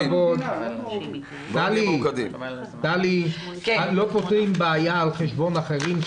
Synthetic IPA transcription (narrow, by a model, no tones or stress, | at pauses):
ɡo | alikd̪im | d̪ali | alo̞pot̪ʁimbeajaːlχeʃbo̞naχeʁim